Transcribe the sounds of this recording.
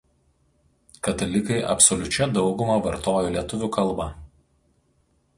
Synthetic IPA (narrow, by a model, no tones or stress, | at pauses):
kɐt̪ɐlʲɪkɐɪʔɐ̰psɔlʲʊt͡ʃʲɛd̪ɒʊɡʊmɐʋɐɾt̪oːjoːlʲiɛt̪ʊʋʲʊˑkɐlˠˑbɐ